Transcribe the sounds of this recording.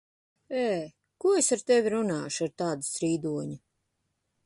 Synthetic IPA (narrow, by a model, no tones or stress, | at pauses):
ɛː | kuɔesaɾt̪ɛvʲiɾunaːʃaɾt̪aːd̪usɾiːd̪uɔɲu